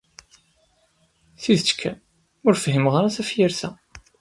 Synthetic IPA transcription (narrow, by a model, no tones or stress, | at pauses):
θiðət͡ʃːkʰːæn | ʊɾfɦimʁaɾaθæfjəɾθæ